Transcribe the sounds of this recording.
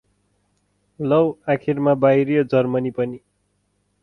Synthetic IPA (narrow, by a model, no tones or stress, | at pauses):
lʌwakʰirmabajɾjʌd͡zʌrmʌnipʌni